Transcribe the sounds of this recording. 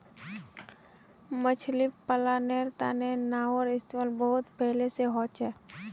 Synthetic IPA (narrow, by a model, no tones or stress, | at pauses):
mət͡ʃʰlipəlaneːɾt̪a̰nenaːɔɾɪst̪emaːlbəɦʊt̪pɛɦleseɦɔːt͡ʃɛː